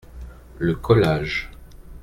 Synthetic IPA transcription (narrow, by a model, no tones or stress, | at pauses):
ləkʰɔlaːʒ